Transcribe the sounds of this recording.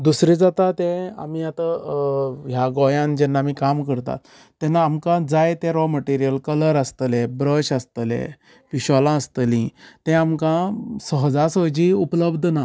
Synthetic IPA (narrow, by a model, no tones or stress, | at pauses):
d̪usɾid͡zat̪at̪ɛ̃a̰miat̪a | ɦjaɡɔjãnd͡ʑɛnːaːmiːkamkəɾt̪a̰t̪ː | ɛnːaːmkãd͡zajet̪ɛ̃ɾɔməʈiɾijəlkələɾəst̪əlebɾəɕast̪əlḛ̃ | piɕɔlãəst̪əlĩt̪ɛ̃amkãsəɦəd͡zasəd͡ʑiupləbd̪ʱna